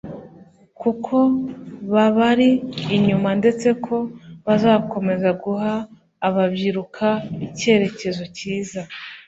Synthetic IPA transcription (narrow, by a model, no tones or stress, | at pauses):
kukʰo̞βaβaɾiːɲumande̞t͡se̞kʰo̞βazaːko̞me̞zaɡuɦaː | βabɟiɾukʰaice̞ːɾe̞ce̞zo̞ciːza